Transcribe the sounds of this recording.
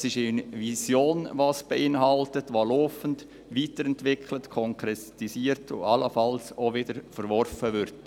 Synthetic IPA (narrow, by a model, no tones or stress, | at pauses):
sɪʃɪnvisjoːnvɑːsb̥eʔɪnɦɑltətʋɑloːfənt | ʋiːtəɾɛntvɪkʰlətkʰɔŋkɾɛtisiːəɾtʰʊ̰ɑləfɑlsovɪdəɾfəɾvɔɾfəʋʏɾt